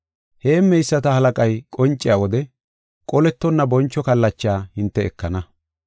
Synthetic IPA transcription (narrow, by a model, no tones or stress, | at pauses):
he̞ːmɛjsːɐt̪ɐhɐlɐkʼɐjkʼɔnt͡ʃʼːɪjawɔd̪ɛ | kʼɔlɛt̪ːɔnːɐbɔnt͡ʃːɔkɐlːɐt͡ʃːɪaːhɪnt̪ːɛɛkːɐnɐ